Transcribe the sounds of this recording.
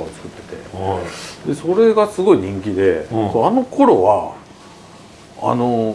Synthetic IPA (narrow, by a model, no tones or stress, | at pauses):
aot͡sɨ̥kɯ̟̥t̪ːe̞̥t̪e̞̰ | d̪e̞so̞ɾe̞ɡasɨɡo̞iɲ̟ĩŋkʲid̪e̞koano̞ko̞ɾo̞βa | a̰no̞